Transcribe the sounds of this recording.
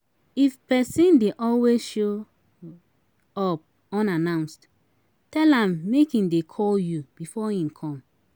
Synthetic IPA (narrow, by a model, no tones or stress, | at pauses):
ifpɛsĩndeʔɔlwesʃo | ɔp̚ | ɔ̃nanãʊ̃nst | tɛlãmːekĩndekʰɔljub̥ifɔĩmkʰɔ̃m